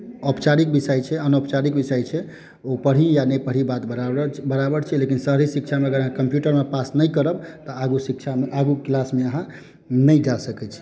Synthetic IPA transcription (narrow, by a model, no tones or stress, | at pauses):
əpt͡ʃaɾikbisəjt͡ʃʰɛənopt͡ʃaɾik̚bisəjt͡ʃʰɛ | opəɽ̤ijanəjpəɽ̤ibat̪bəɾabəɽt͡ʃʰɛlekinsəɦɾisikt͡ʃʰameəɡəɾəɦãkəmpjuʈəɾmepasnəjkəɾəbt̪ɔaɡusikt͡ʃʰameʔaɡuklasmeəɦã | nəjd͡ʒasəkɛt͡ʃʰi̥